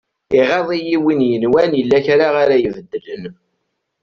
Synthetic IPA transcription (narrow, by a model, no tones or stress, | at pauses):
iʁeðˤijiwinjənwænjəlːæçɾaʁaɾajəvəd̪ːələn